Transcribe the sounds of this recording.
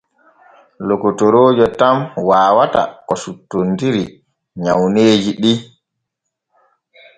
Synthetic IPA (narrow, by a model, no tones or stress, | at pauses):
lokːotoɾoːd͡ʒɔtamwaːwata̰kɔsutːondiɾi | ɲawneːd͡ʒiɗi